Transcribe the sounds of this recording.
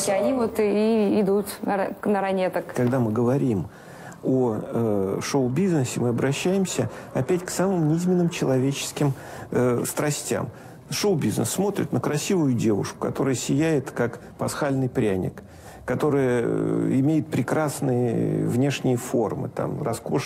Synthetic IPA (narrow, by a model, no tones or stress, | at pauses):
ɐnʲivot̪iɪd̪ut̪nənəɾɐnʲet̪əkkɐɡd̪amɨɡəvɐɾʲim | oəʂoʊbʲiznəsʲɪmɨɐbɾɐɕːæjɪmsʲəɐpʲætʲksamɨmnʲɪizʲmʲɪnːɨmt͡ɕɪlˠɐvʲet͡ɕɪ̥skʲɪməst̪ɾɐsʲtʲa̰m | ʂoʊbʲiznə̰sːmo̞t̪ɾʲɪ̰t̪nəkɾɐsʲivʊjʊdʲe̞vʊ̰ʂkʊ̥kɐt̪o̞ɾɨjəsʲɪjæjɪt̪kak | pɐsxalʲnɨjpɾʲænʲɪ̰kː | ɐt̪o̞ɾɨjəɪmʲejɪt̪̚pɾʲɪkɾasnɨjə̰vnʲe̞ʂnʲɪjəfo̞rmɨ̰t̪a̰mrɐskoʂ